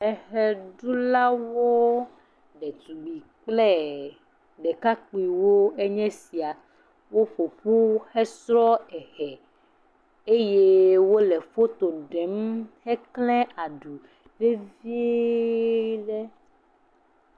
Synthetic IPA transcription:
ɛ˨hɛ˨ɖu˦la˦wo˦ | ɖɛ˨t̪u˨ɡ͡bi˨k͡plɛ˦ | ɖɛ˨ka˦k͡pi˨wo˦ɛ˦ɲɛ̃˦si˨a˨ | wo˦ɸo˨ɸu˦xɛ˦sɾɔ˦ɛ˨hɛ˨ | e˦je˦wo˦lɛ˨fo˦t̪o˨ɖɛ˨˦mhɛ˦klɛ̃˦a˨ɖu˨ | ɖe˦vi˦ | ɖɛ˦

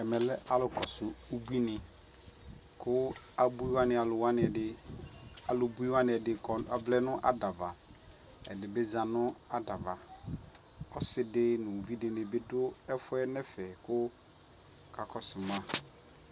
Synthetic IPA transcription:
ɛ˨mɛ˨lɛ˦ʔa˦lʊ˨kʰɔ˨sʊ˨u˦bu˦i˦nɪ˨ | kʰʊ˦ | a˨bu˦i˦wa˦nɪ̃˨a˨lʊ˨wa˦nɪ̃˨ɛ˨dɪ˨ | a˨lʊ˨bu˦i˦wa˦nɪ̃˨ɛ˨dɪ˨kɔ˨a˨vlɛ˦nʊ̃˦ʔa̰˨da˨va˨ | ɛ̰˨dɪ˨bɪ˦zã˨nʊ̃˦a˨da˨va˨ | ɔ˦sɪ˨dɪ˦nʊ̃˨vi˦dɪ˨nɪ̃˨bɪ˦dʊ˦ɛ˦fʊ˦ɛ˦nɛ˦fɛ˨kʊ˦ | kʰa˨kʰɔ˨sʊ˨mã˦

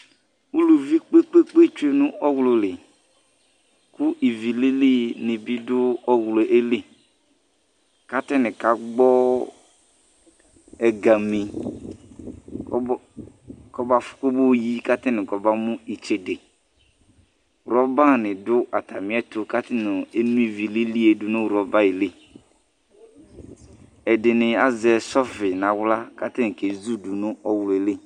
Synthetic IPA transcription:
u˦lu˨vi˦k͡pe˦k͡pe˦k͡pe˦t͡ʃu˦e˨nʊ̃˦ʔɔ˦wlʊ˨lɪ˨ | kʊ˦ʔi˨vi˨lɪ˦li˦nɪ˨bi˦dʊ˦ɔ˦wlo˨ʔe˦li˦ | ka˦tɪ˦nɪ̃˨ka˨ɡ͡bɔ˦ | ɛ˨ɡa˨mĩ˨˦ | kɔ˦ba˨fʊ̥˨˦kʊ˦bo˦˨ji˦ka˦tɪ˦nɪ̃˨kɔ˨ba˦mʊ̃˦i˨t͡ʃe˨de˨ | ɾɔ˦ba˦˨nɪ̃˨dʊ˦ʔa˨ta˨mɪ̃˨˦ɛ˦tʊ˨ka˦tɪ˦nʊ˨e˦nũ˦i˨vi˨li˦li˦e˨dʊ˨nʊ̃˦wɾɔ˦ba˦i˨le˦˨ | ɛ˨dɪ˨nɪ˨a˨zɛ˨sɔ˦fɪ˨n˨ã˨wla˦ka˦tɪ˦nɪ˨ke˨zu˦du˨nʊ˦ɔ˦wle˨le˦˨

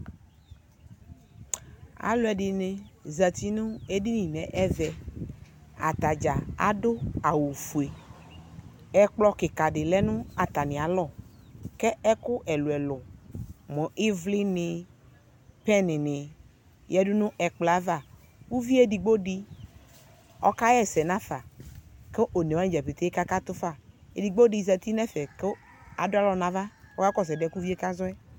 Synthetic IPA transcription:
a̰˨lo˨˦ɛ˨ɖi˨nẽ˨zə˨t̪i˦nũ˦e˦ɖi˦nĩ˨nɛ̃˨ʔɛ˦vɛ˨ | a̰˨t̪a˨d͡ʒa˨a̰˦ɖo˦a˨wu˨fu˨e˨ | ɛ˦k͡plɔ˦ke˨ka˨ɖɪ˨lɛ˦nũ˦a˨t̪a˨nĩ˨a˨lɔ˦˨kɛ˦ɛ˦kʊ˦ʔɛ˨lu˨ɛ˨lʊ˨mɔ̃˨ʔi˦vlɪ˦nɪ˨ | pɛ˦nɪ̃˨nɪ̃˨ | jɛ˦dʊ˦nʊ̃˦ʔɛ˨k͡pla˦va˦˨ | wu˦vi˦e˦di˨ɡ͡bo˦di˦ | ɔ̰˦ka˦jɛ˦sɛ˨nã˦fa˨ke˦ʔo˨ne˨wã˦d͡ʒɛ˨pe˨t̪e˦e˦ka˦ka˦t̪ʊ˦fa˨ḛ˨di˨ɡ͡bo˦di˨zɛ˨t̪i˦nɛ̃˦fɛ˨ke˦ | a˨dʊ˦a˦lɔ˨nã˨va˦wɔ˦ka˦kɔ˦sɛ˨dɛ˦ku˦vi˦e˦ka˦zɔ˦ɛ˦

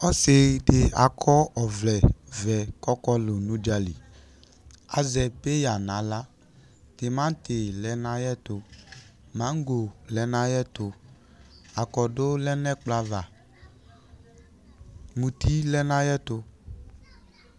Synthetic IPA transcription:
ɔ˦sɪ˨dɪ˨a˨kʰɔ˦ɔ˨vlɛ˨vɛ˨kɔ˦kɔ˦lʊ˨nũ˨˦d͡ʒa˦lḭ˨ | a̰˨zɛ˨pe˦ja˨nã˨˦la˦ | tɪ˨mã˦n˦tɪ˨lɛ˨˦nã˦jɛ˦tʊ˨ | mã˨˦ŋ˦ɡo˨lɛ˨˦nã˦jɛ˦tʊ˨ | a˨kɔ˨dʊ˦lɛ˦nɛ˦k͡pla˨va˨ | mũ˨ti˦lɛ˦nã˦jɛ˦tʊ˧

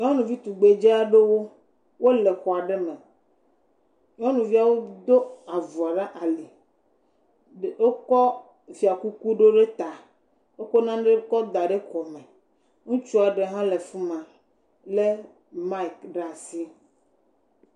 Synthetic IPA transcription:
ɲ˦ɔ̃˦nũ˨vi˦t̪u˨ɡ͡be˨d͡ʒe˦a˦ɖe˦wo˦ | wo˦le˨xɔ˨a˨ɖe˦mẽ˨ | ɲ˦ɔ̃˦nũ˨vi˦a˨wo˦d̪o˦a˨vu˨a˨ɖa˦ʔa˨li˨ | ɖo˦kɔ˦ | fi˨a˨ku˦ku˦ɖo˦ɖe˦t̪a˨ | wo˦ko˦nã˦ɖe˦kɔ˦d̪a˨ɖe˦kɔ˨me˨ | ŋũ˦t͡ʃu˦a˨ɖe˨ɦã˦le˨fu˦mã˨ | le˦ | ma˦i˨kɖa˨si˦

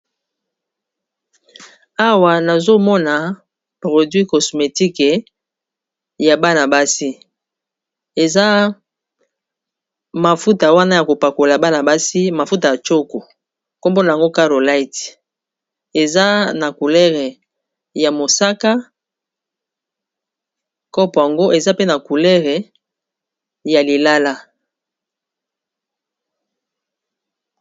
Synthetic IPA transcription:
a˦wa˨na˨zo˦mɔ˦na˨ | pʁo˨dɥi˦kɔ˨sme˨ti˦ke˨ | ja˨ba˦na˨ba˦si˦ | e˨za˦ | ma˨fu˦ta˨wa˦na˦ja˨ko˨pa˨ko˨la˨ba˦na˨ba˦si˦ma˨fu˦ta˨ja˨t͡ʃo˦ko˨ | ko˦mbo˦na˨a˨ŋɡo˦ka˦ʁo˨la˦i˨t | e˨za˦na˨ku˨lɛ˦ʁe˨ | ja˨mo˨sa˦ka˦ | kɔ˦pɔ˨ja˨ŋɡo˦ʔe˨za˦pe˦na˨ku˨lɛ˦ʁɛ˨ | ja˨li˨la˦la˦

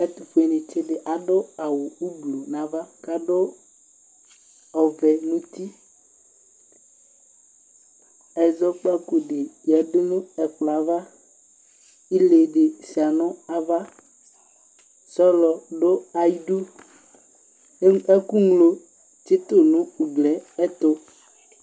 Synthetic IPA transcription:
ɛ˦t̪ʊ˨ɸu˦e˨nɪ̃˨t͡ʃɪ˦dɪ˨ʔa˨dʊ˦a˨wʊ˨u˦blo˨nã˨va˦ka˨do˦ | ɔ˨vɛ˨nũ˦t̪i˦ | ɛ˨zɔ˦k͡pa˦ku˨ɖɪ˨jɛ˨dʊ˦nʊ̃˦ɛ˨k͡pla˨˦va˦ | i˦le˨ɖe˨si˨a˨nɔ̃˦a˨va˦ | sɔ˦lɔ˨ɖo˦a˨ji˦ɖu˦ | ɛ˦ku˦ŋlo˨ | t͡ʃe˦t̪o˦nũ˦u˨ɡlɛ˨˦ɛ˦t̪o˦

